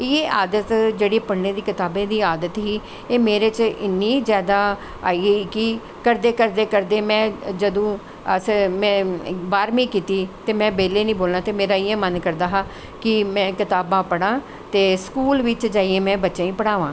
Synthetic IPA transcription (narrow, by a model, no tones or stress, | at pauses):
ɪeaːd̪ət̪d͡ʒeːɽiːpəɽnẽːd̪iːkɪt̪aːbẽːd̪iːaːd̪ət̪ɦiː | eːmeːɾeːt͡ʃɪnːiːzjaːd̪aː | aːiːeikɪ | kəɾd̪eːkəɾd̪eːkəɾd̪eːmɛ̃ːd͡ʒəd̪õː | əsmɛ̃ːbaːɾmĩːkiːt̪iːt̪eːmɛ̃ːbeːleːnĩːboːlnaːt̪eːmeːɾaːiːẽːmənkəɾd̪aːɦaː | kɪmɛ̃ːkɪt̪aːbãːpəɽ̃ãː | t̪eːskuːlʋɪt͡ʃd͡ʒaːiẽːmɛ̃ːbətːʃãːĩːpəɽ̃aːʋãː